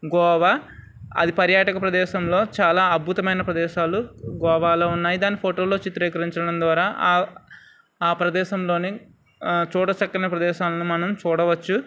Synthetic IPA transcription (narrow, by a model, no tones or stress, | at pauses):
ɡɔːʋa | ɐ̰d̪ipɐɾjaːʈɐkɐpɾɐd̪ɛːʃɐmlo̞ːt͡ʃaːlaːɐd̪̚bʱut̪ɐmɐjnɐpɾɐd̪ɛːʃaːluɡɔːʋaːlo̞ːunːaːjid̪aːnːipʰoːʈo̞ːlo̞ːt͡ʃit̪ɾɛːkɐɾiɲt͡ʃɐɽɐmd̪ʋaːɾaːʔ | aːpɾɐd̪ɛːʃɐmlo̞ːne | t͡ʃuːɽɐt͡ʃɐkːɐnɐpɾɐd̪ɛːʃaːlɐnumɐnɐmt͡ʃuːɽɐʋɐt͡ʃːu